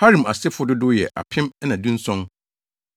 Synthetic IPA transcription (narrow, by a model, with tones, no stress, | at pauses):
ha˦ɾĩ˨ma̰˨sɪ˦fʊ˦dʊ˦dʊ˦jɛ̰˨ʔa̰˨pʰɪ̃˦m˦nã˨dĩ˦n̩˦sɔ̃˦n